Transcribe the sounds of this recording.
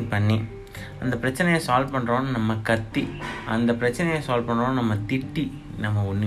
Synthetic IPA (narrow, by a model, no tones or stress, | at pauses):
ŋpɐɳːi | ʔɐnd̪ɐpɪɾɐt͡ʃːɐnɐjɐ̃saːlpɐɳːɾõːnnɐmːɐkɐt̪ːiʔɐnd̪ɐpɪɾɐt͡ʃːɐnɐjɐ̃saːlpɐɳɾõːnnɐmːɐt̪ɪʈːi | nɐmːɐʊnːɯ